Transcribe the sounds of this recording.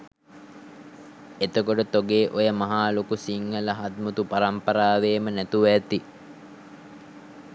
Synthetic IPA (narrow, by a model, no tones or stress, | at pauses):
et̪okoʈət̪oɡeːʔojəmɐɦaːlokusiŋːələɦad̪mut̪upaɾɐmpɐɾaːʋeːmənæt̪uʋæt̪i